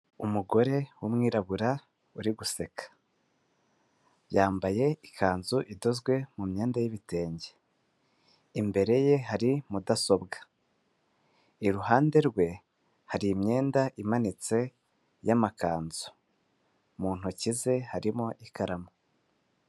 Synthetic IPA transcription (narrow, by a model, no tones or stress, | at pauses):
umuɡo̞ɾe̞wumŋiːɾaβuɾa | uɾiɡuse̞kʰḁ | jaːmbaje̞ikʰaːnzuʔido̞zɡwe̞mumɲe̞ːndajiβite̞ːɲɟe̥ | imbe̞ɾe̞je̞ɦaɾimudaso̞bɡa | iɾuɦaːnde̞ɾɡwe̞ | haɾiːmɲe̞ːndaʔimanit͡se̞ | jamakaːnzu̥ | muːn̥hucize̞haɾimo̞ʔikʰaɾamo